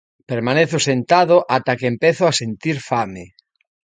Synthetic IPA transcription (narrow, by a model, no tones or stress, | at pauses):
peɾmaneθosent̪aðoʔat̪akeempeθʊasent̪iɾfame